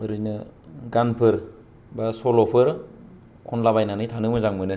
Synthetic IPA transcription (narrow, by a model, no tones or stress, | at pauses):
ɯɾɯjnɯɡanpʰɯɾ | basolopʰɯɾ | kʰɔnlabajnanɯjtʰanɯmɯzaŋmɯnɯ